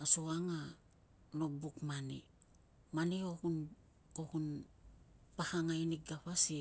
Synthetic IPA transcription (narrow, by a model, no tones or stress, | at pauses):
asoaŋa | nobukmani | maniohun | ohun | pahaŋajniɡapasi